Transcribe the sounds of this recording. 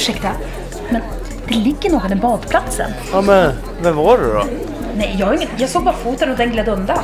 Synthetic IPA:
ʂɛkt̪a | mɛn | d̪̥ɛlɪɡːəɳɔːɡad̪ɛnbɑːd̪pʰlat̪sə̰njɑmɛn | vɛmvɑɾɛ̰d̪ɔ̰ | nɛɪjjɑːhaɾɪŋːət̪jɑːɡsoːɡ̚bɑːɾfuːt̪ənɔd̪ɛnɡleːd̪əɵnd̪a

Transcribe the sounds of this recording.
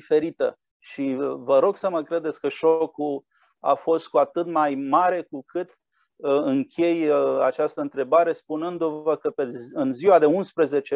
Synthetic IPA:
fe̞ɾit̪ə | ʃivəɾo̞ɡsəməkɾe̞d̪e̞t̪sʲkəʃoku | a̰fo̞st̪̚kuat̪ɨt̪majmaɾe̞kukʰɨt̪ | ɨŋkʲʰe̞ja̰t͡ʃast̪əɨnt̪ɾe̞baɾe̞spunɨnd̪uvəkəpeɨnziwad̪e̞unspɾəze̞t͡ʃe

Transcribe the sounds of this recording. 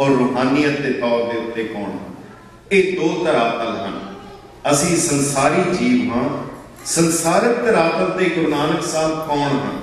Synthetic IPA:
ɔːɾːoːɦaːnijə̃t̪ːeːpaːd̪eːʊt̪ːeːkɔːɳɦ | eːd̪oːt̪əɾaːt̪əlɦən | əsĩːsənsaːɾiːd͡ʒiːʋɦãː | sənsaːɾək̚t̪əɾaːt̪əld̪eːɡʊɾnaːnəksaːt̪kɔːɳɦə̰n

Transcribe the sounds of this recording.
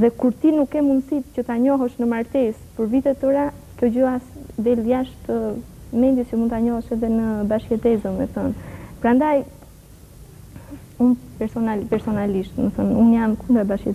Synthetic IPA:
ðɛkuɾt̪inukːɛmunsit̪cət̪aɲɔɦɛʃnəmaɾt̪ɛspəɾvit̪ɛt̪əɾa | kjɔd͡ʑəasd̪ɛljaʃt̪əmɛnd̪jɛscəmund̪t̪aɲɔhɛʃɛðɛnəbaʃkɛt̪ɛzəmɛ̰θɔnpɾand̪aj | unpɛɾsɔnapɛɾsɔnaliʃt̪nəθɔnunjamkund̪əɾbaʃkɛ

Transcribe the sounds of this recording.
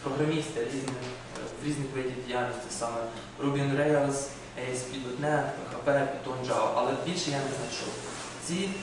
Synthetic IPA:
pɾɔɦɾɐmʲist̪ɛɾʲiznɪx | ɾʲiznɪxʋedʲiidʲijalʲnʲɔsʲt̪ʲisɑmɛ | ɾubʲinɾɛjɐlˠs | ɛjspʲid̪ɔt̪nɛxɐpɛpʲit̪ɔnd͡ʒɑʔɐlˠɛbʲilʲʃɛjanɛznɐt͡ʃṵw | t͡sʲi

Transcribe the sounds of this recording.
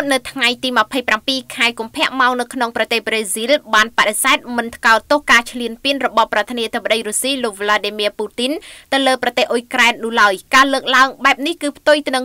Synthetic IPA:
t̪̚nɨwt̪ʰŋajt̪iːməpʰəjprampiːkʰaɛkumpʰɛ̆əʔmaɔŋnɨwkʰnoŋprɑt̪eːhbreːzilɓaːnpaɗesaɛt̪̚mɨnt̪ʰkaɔt̪ːohkaːt͡ɕʰliənpiənrɔɓɑhprɑt̪ʰiəniəet̪ʰəp̬̚ːəɗəjrusiːloːk̚ʋlaːɗiːmiəpuːt̪int̪ɨwləːprɑt̪eːhʔojkraɛnːulaəjkaːləːk̚laəŋɓaɛp̚nihkɨːpʰt̪ujt̪ɨnɨŋ

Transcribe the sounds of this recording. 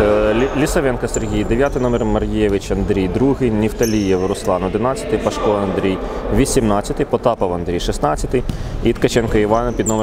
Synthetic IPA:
lʲisɐʋɛnkɐserɦʲijd̪eʋʲjat̪ɪjnɔmɛrmɐrʲjjɛʋɪt͡ʃɐnd̪ɾʲijd̪ɾuɦɪjnʲiwt̪ɐlʲijɛwɾʊslˠɑnɔd̪ɪnɑt͡sʲːɐ̥t̪ɪpɐʃkɔɐnd̪ɾʲijʋʲisʲimnɑt͡sʲːɐt̪ɪjpɔt̪ɑpɐwɐnd̪ɾʲijʃɪsnɑt͡sʲɐt̪ɪjit̪kɐt͡ʃɛnkɐiʋɑnɐpʲid̪nɔm

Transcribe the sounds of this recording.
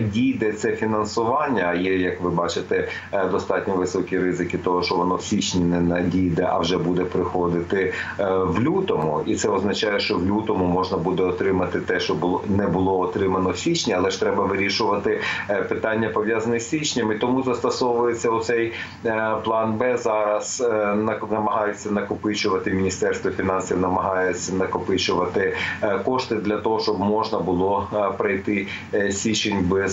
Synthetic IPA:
dʲijd̪ɛt̪sɛfʲinɐnsʊʋɑnʲːɐːjɛjɐkʋɪbɑt͡ʃɪt̪ɛ | d̪ɔst̪ɑtʲnʲɔʋɪsɔkʲiɾɪzɪkʲɪt̪ɔɦɔʃt͡ʃɔʋɔnɔwsʲit͡ʃnʲinɛnɐdʲijd̪ɛʔɐ̰wʒɛbud̪ɛpɾɪxɔd̪ɪt̪ɪʋlʲut̪ɔmʊ̰it̪sɛɔznɐt͡ʃɑjɛʃt͡ʃɔwlʲut̪ɔmʊmɔʒnɐbud̪ɛɔt̪ɾɪmɐt̪ɪt̪ɛʃt͡ʃɔbʊnɛbʊlˠɔɔt̪ɾɪmɐnɔwsʲit͡ʃnʲiɐlˠɛʃt̪ɾɛbɐʋɪɾʲiʃʊʋɐt̪ɪpɪt̪ɑnʲːɐpɔʋjɑzɐnɪsʲʋʲit͡ʃnʲɐmit̪ɔmuzɐst̪ɐsɔʋʊjet͡sʲːɐʊt̪sɛj | plˠɑnbɛzɑɾɐz̥nɐnɐmɐɦɑjet͡sʲːɐnɐkʊpɪt͡ʃʊʋɐt̪ɪmʲinʲist̪ɛrst̪ʋɔfʲinɑnsʲiwnɐmɐɦɑjɛt͡sʲːɐnɐkɔpɪt͡ʃʊʋɐt̪ɪkɔʃt̪ɪd̪lʲɐt̪ɔɦɔʃt͡ʃɔbmɔʒnɐbʊlˠɔpɾɐjt̪ɪ | sʲʋʲit͡ʃenʲbɛz

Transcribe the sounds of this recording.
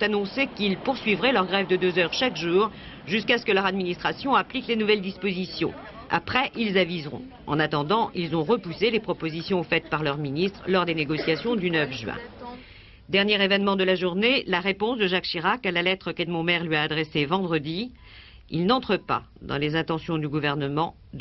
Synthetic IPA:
t̪anɔ̃sekilpuʁsɥivʁɛlœʁɡʁɛvd̪əd̪øzœʁʃakʒuːʁ | ʒyskaskəlœʁad̪minist̪χasjɔ̃ɛ̃pliklenuvɛld̪ispozisjɔ̰̃ | a̰pχɛʔilzavizʁɔ̰̃ | ɑ̰̃nat̪ɑ̃d̪ɑ̃ʔilzɔ̃ʁəpuselepχɔpozisjɔ̃fɛt̪̚paʁlœʁminist̪χəlɔʁd̪eneɡɔsjasjɔ̃d̪ynœfʒɥɛ̰̃ | d̪ɛʁnjɛʁevɛnmɑ̃d̪əlaʒuʁnelaʁepɔ̃sd̪əʒakʃiʁakalalɛt̪χəkɛd̪mɔ̃mɛʁlɥiaːd̪ʁɛsevɑ̃d̪ʁəd̪i | ḭlnɑ̃t̪χəpa̰d̪ɑ̰̃lezɛ̃t̪ɑ̃sjɔ̃d̪yɡuvɛʁnəmɑ̃

